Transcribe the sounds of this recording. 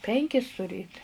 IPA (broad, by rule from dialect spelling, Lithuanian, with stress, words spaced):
ˈpʲɛŋʲkʲɪs tʊˈrʲeːt